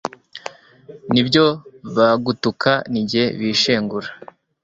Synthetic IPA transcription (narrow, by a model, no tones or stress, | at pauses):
nibɟo̞βaɡutukʰaniɟihḛβiʃeːŋɡuɾa